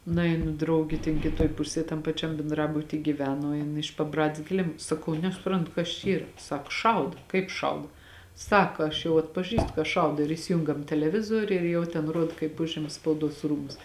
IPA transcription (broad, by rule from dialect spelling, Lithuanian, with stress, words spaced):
nʊˈɛɪnʊ drɐʊˈɡʲɪ tʲɛn kʲɪˈtuɔj ˈpʊsʲeːj tɐm pɐˈt͡ʃʲɛm bʲɛnˈdrɑːbʊtʲiː ɡʲiːˈʋʲæːnoː ˈjɪn ɪʃ pɐˈbrɑːdʲeːs kʲɪˈlʲɪm sɐˈkɐʊ nʲɛsʊˈprɐntʊ kɐs t͡ʃʲɛ ˈiːrɐ ˈsɐk ˈʃɐʊt kɐɪp ˈʃɐʊt ˈsɑːkɐ ɐʃ jɛʊ ɐtpɐˈʒʲiːstʊ kɐ ˈʃɐʊdoː ɪr iːsʲɪˈjʊŋɡɐm tʲɛlʲɛˈʋʲɪzoːrʲʊ ɪr jɛʊ tʲɛn ˈruɔt kɐɪp ˈʊʒʲɪmɐ spɐʊˈduɔs ˈruːmʊs